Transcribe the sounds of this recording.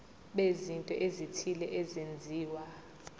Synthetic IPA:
ɓezintʼɔʔezitʰilɛʔɛzend͡zʱiːwa

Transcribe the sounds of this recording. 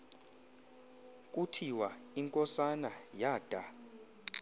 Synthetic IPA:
kʼutʰiwaiŋkʼɔsanajaːd̥ʱa

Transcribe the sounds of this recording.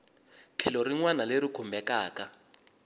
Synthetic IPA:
t͡ɬʰɛlɔɾiŋwanaleɾikʰumbʱɛkaːka

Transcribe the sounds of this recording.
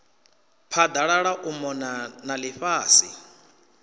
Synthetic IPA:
pʰad̪aɺaɺaʔumɔnanalɪɸaːsi

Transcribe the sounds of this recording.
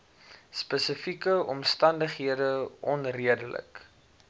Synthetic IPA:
spəsəfikəɔmstɐndəχɦiədəʔɔnriədələ̰k

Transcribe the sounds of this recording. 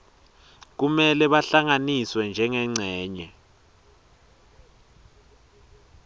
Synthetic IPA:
k̬umɛlɛɓaɬaŋaniswɛnd͡ʒʱɛŋɛŋ͡ǀʱɛːɲɛ

